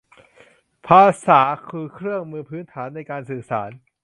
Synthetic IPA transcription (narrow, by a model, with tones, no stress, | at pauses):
pʰaː˧saː˩˦kʰɯː˧kʰɾɯ˥˩əŋmɯː˧pʰɯː˦˥nt̪ʰaː˩˦nːa˧jkaː˧nsɯː˨˩saː˩˦n